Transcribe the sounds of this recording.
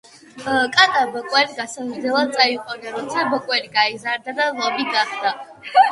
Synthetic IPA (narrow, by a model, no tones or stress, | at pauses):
kʼat̪ʼabɔkʼwɛɾiɡasazɾd̪zɛlˠad̪̚sʼaiqʼɔnaɾɔt̪sʰabɔkʼwɛɾiɡaizaɾd̪ad̪alˠɔbiɡaχd̪a